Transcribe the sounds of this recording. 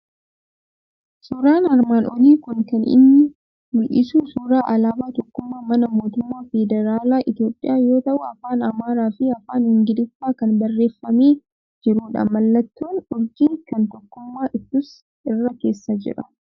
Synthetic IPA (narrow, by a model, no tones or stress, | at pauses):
suːɾaːnɐɾmaːnɔliːkʊnkɐnɪ̰nːɪ | mɪʔɪsuːsuːɾaːʔɐlaːbaːt̪ɔkːʊmːaːmɐnɐmo̞ːt̪ʊmːaːfɛd̪ɛɾaːlaːʔɪt̪ɪjo̞ːpʼːɪ̰jaːjo̞ːt̪ɐʔʊɐfaːnɐmaːɾaːfɪɐfaːnhɪŋɡɪlɪsːaːkɐnbɐrːe̞ːfːɐmeː | d͡ʒɪɾuːᶑɐ̰mɐlːɐt̪ːoːnʊɾɡiːkɐnt̪ɔkːʊmːaːʔɪt̪ːʊs | ɪrːɐke̞ːsːɐd͡ʒɪ̰ɾɐ̥